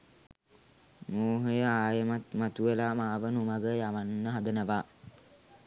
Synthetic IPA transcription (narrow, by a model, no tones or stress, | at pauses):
moːɦəjəaːjəmamat̪uelaːmaːʋənumaɡəjaʋanːəɦad̪ənəʋaː